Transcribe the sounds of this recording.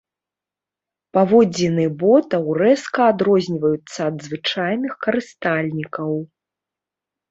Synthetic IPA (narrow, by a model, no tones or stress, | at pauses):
pavɔd͡zʲinɨɛbɔt̪ɐwɾɛskɐːd̪ɾɔzʲnʲivɐjut̪sːɐːd̪zvɨt͡ʂajnɨxkɐɾɨst̪alʲnʲikɐw